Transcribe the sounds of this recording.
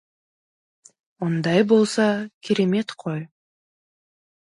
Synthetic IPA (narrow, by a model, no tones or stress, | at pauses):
ond̪ɑjbolˠsɑkʲiɾemet̪qʰoj